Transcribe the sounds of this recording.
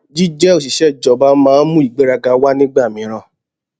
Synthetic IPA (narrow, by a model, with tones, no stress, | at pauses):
d͡ʒi˦d͡ʒɛ˦o˨s̬i˨ʃɛ˦˨d͡ʒɔ˨ba˦mãː˦mũ˦i˨ɡ͡be˨˦ɾa˧ɡa˧wa˦nĩ˦ɡ͡ba˦˨mĩ˧˦ɾ̃ã˧˨